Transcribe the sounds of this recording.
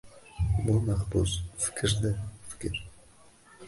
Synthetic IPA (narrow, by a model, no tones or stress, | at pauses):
bʊlˠmɑχbusfɪ̥kʲʰɪɾd̪ɪfɪ̥kʲɪɾ